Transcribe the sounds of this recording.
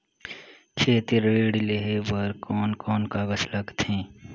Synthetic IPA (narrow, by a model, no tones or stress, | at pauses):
t͡ʃʰeːt̪iɾeːɽileɦebɐɾkɔːnkɔːnkabɐslɐkt̪ʰẽː